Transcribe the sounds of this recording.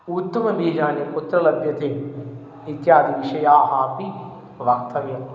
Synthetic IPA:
ut̪ːɐmɐbiːd͡ʒãːnepʊt̪ɾɐlɐbjɐt̪ʰeː | ɪt̪ijaːd̪iʋɪʃɐjaːɦaːpi | ʋɐkt̪ʰːɐʋijõ

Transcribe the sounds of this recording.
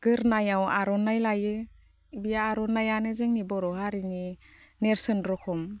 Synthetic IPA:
ɡ̥ɯɾnajawaɾɔnajlajɯ | bijaːɾɔnajanɯzeŋnibɔɾɔhaɾini | neɾsɯnɾɔkʰɔm

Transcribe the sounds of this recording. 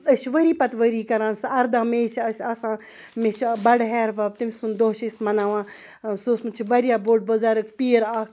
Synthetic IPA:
əʃʋəɾiːpɐt̪ʋəɾiːkɐɾãːnsɐɾd̪ãːmet͡ʃʰɐsʲasãː | met͡ʃʰbɐɽɦɛːɾʋab̚t̪imʲsund̪oːɦt͡ʃʰismɐnaːʋãː | soːsmut͡ʃʰiʋɐɾjaːboːʈ̚bozaːɾɨkʰpiːɾaːkʰ

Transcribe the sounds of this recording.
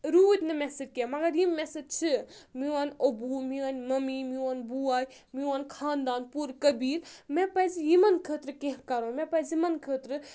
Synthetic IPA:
ɾuːt̪ʲnɨmesed͡ʒkemɐɡɐɾjimːɛsed͡ʒt͡ʃʰɨmiwanobumiwɐnʲmɐmimiwanbuaːj | miwankʰaːnd̪aːnpuɾkɐbiːɾmẽpɐzijimɐnkʰət̪ɾɨkẽɦkɐɾõmẽpɐzimɐnkʰəːt̪ɾɨ

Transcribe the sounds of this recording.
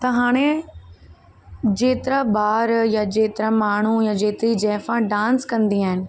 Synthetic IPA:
t̪ɐɦaːɽ̃e | d͡ʑeːt̪ɪɾabaːɾjad͡ʑeːt̪ɪɾamaːɳ̤ujad͡ʑeːt̪ɾid͡ʑɛːfãɖãːnskɐ̃nd̪iaːɦɪnɪ̆

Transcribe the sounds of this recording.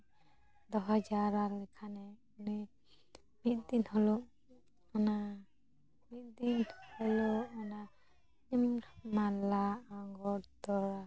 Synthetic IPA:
d̪ɔɦɔd͡ʒaɾalɛkʰanɛ | ni | mit̪̚d̪inhɔlɔ | ana | mit̪̚d̪inhɔlɔʔana | ɲimmalaaŋɡɔɾt̪ɔɾa

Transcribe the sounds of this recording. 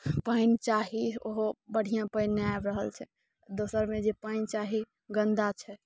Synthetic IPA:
paɪnt͡ʃaɦioɦobəɽ̤ijãpəɪnːeaebɾəɦəlt͡ʃʰɛ | d̪osəɾmed͡ʒepaɪnt͡ʃaɦi | ɡənd̪at͡ʃʰɛ

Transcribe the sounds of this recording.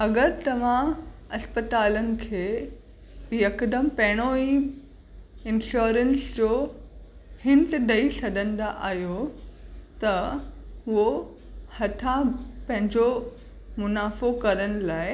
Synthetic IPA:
ɐɡəɾt̪ɐʋ̤ãɐspət̪aːlənɪ̆kʰeː | jɐkd̪əmpɐ̃ɦɪɽ̃oi | ɪ̃nɕoːɾənsd͡ʑoː | hɪ̃nt̪d̪ʱɐisɐd̪ʱə̃n̆d̪aʔaːɦijo | t̪ɐ | ʊɦo | hɐt̪ʰapɐ̃ɦɪ̃ɲd͡ʑo | mʊnaːfokɐɾəɽ̃ʊ̆laːɪ

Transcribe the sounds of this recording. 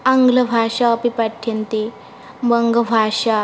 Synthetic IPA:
aŋɡləbʱaʂapipaʈʰːjənt̪e | bəŋɡəbʱaʂa

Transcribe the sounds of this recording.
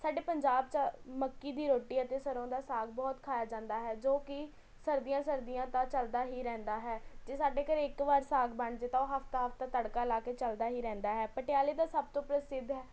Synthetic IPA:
saːɖeːpəɲd͡ʒaːbt͡ʃəməkːiːd̪iːɾoːʈiːət̪eːsəɾõːd̪aːsaːɡbɔːt̪kʰaːjaːd͡ʒãːnd̪aːɦɛːd͡ʒoːkɪ | səɾd̪ijãːsəɾd̪ijãːt̪ãːt͡ʃəld̪aːɦiːɾɛ̃ːnd̪aːɦɛːd͡ʒeːsaːɖeːkəɾeːɪkʋaːɾsaːɡbəɳd͡ʒeːt̪aːoːɦəfʰt̪aːɦəfʰt̪aːt̪əɽkaːlaːkeːt͡ʃəld̪aːɦiːɾɛ̃ːnd̪aːɦɛːpəʈɪjaːleːd̪aːsəb̚t̪õːpɾəsɪd̪ɦɛː

